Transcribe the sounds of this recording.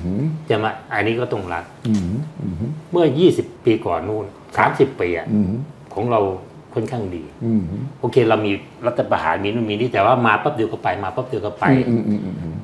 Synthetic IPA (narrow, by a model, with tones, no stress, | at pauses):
t͡ɕa˧˩ma˧˩ʔa˧nːi˦˥kɔː˥˩t̪ɔ˥˩ŋɾa˦˥t̚ː | mɯ˥˩ɐjiː˥˩si˨˩pːiː˧kɔ̰ː˨˩nːu˥˩n | sa̰ː˩˦msi˨˩pːiː˧ʔa̰˨˩˧kʰɔː˩˦ŋɾa˧w | kʰo˥˩nkʰaː˥˩ŋdḭː˧˦ʔoː˧kʰeː˧ɾa˧wmiː˧ | ɾa˦˥t̪ʰːa˧pa˧ha̰ː˩˦nmiː˧nuː˥˩˨miː˧niː˦˥˩t̪ɛː˨˩waː˥˩maː˧pa˦˥p̚di˧kɔː˥˩pa˧jmaː˧pa˦˥˩p̚di˧kɔː˥˩pa˧j